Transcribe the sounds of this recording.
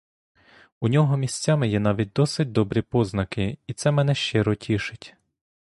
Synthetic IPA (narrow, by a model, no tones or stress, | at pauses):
unʲɔɦɔmʲisʲt͡sʲamɪjɛnɑʋʲit̚ʲd̪ɔsɪt̚ʲd̪ɔbɾʲipɔznɐkɪit̪sɛmɛnɛʃt͡ʃɪɾɔtʲʰiʃɪtʲ